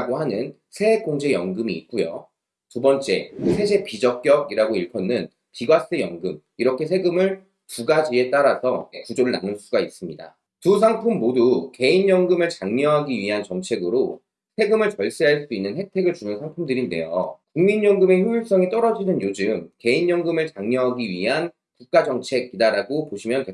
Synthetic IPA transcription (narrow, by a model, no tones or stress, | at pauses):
ɡohanɯn | sʰe̞koŋd͡ʑe̞jʌŋɡɯmḭːt̚k͈ujo̰ | tubʌnt͡ɕ͈e̞̰sʰe̞d͡ʑʰe̞pid͡ʑʌk̚k͈jʌɡiɾaɡoiɭpʰʌnːɯn | piɡwas͈ɯjʌŋɡɯm | iɾʌkʰe̞sʰe̞ɡɯmɯɭ | tuɡad͡ʑie̞t͈aɾasʰʌekud͡ʑoɾɯɭna̰nɯns͈uɡais͈ɯmɲida̰ | tus̬ʰaŋpʰumːoduke̞injʌŋɡɯmɯɭt͡ɕaŋɲʌɦaɡiɥiɦant͡ɕʌŋt͡ɕʰe̞ɡɯɾo | sʰe̞ɡɯmɯɭt͡ɕʌɭs͈eɦaɭs͈uinːɯnhe̞tʰe̞ɡɯɭt͡ɕunɯnsʰaŋpʰumdɯɾinde̞jo̰kuŋminjʌŋɡɯme̞çjujiɭs͈ʌŋit͈ʌɾʌd͡ʑinɯnjod͡ʑɯmke̞injʌŋɡɯmɯɭt͡ɕaŋɲʌɦaɡiɥiɦan | kuk̚k͈ad͡ʑʌŋt͡ɕʰe̞ɡidaɾaɡopoɕʰimjʌntwe